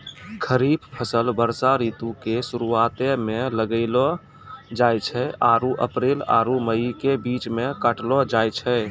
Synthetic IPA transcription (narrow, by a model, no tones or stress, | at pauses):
kʰəɾiːbpʰəsəlbəɾsaɾiːt̪ukesuɾuat̪emẽləɡəɪlɔ | d͡ʒajt͡ʃʰɛʔaːɾuʔə̰pɾeːla̰ːɾuməikebiːt͡ʃmẽkəʈlɔd͡ʒajt͡ʃʰɛ